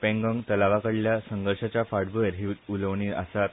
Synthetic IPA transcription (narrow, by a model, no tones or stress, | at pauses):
pẽŋɡɔŋt̪əlaʋakəɽljasəŋɡəɾʂat͡ɕjafaɽbəəɾɦiʋt̪uləʋɳiːə̰sat̪̚